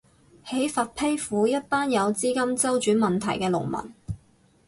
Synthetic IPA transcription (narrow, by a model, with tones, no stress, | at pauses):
he˨˥jfaː˨t̚pʰe˥jfuː˨˥jɐ˥t̚paː˥njɐ˨˧wt͡siː˥kɐ˥mt͡sɐ˥wt͡ʃyː˨˥nmɐ˨nt̪ʰɐ̰˨˩jkɛː˧lʊ̰˨˩ŋmɐ̰˨˩n